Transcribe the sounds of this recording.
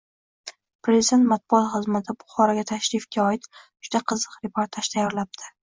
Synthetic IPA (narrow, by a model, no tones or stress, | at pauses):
pɾe̞zid̪e̞nt̪mat̪̚bʊɒt̪χɨzmat̪ʰɪbʊχɒɾaɡʲat̪ʰaʃɾifɡʲaɒɪt̪d͡ʒʊd̪aqʰɨzɨqɾepʰoɾt̪ʰaʃt̪ʰajɒɾlap̚t̪ʰɪ